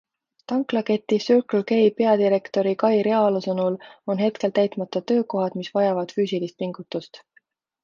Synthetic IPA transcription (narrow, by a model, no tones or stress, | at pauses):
t̪ɑŋklɑke̞t̪ːˑisyrklke̞jpe̞ɑd̪iɾe̞kt̪o̞ɾikɑjɾeɑlusɤnulo̞nɦe̞t̪ke̞lt̪æjt̪mɑt̪ːˑɑt̪ø̞ːko̞ɦɑd̪̥misvɑjɑvɑd̪̥fyːsilist̪̚piŋɡ̥ut̪ːˑust̪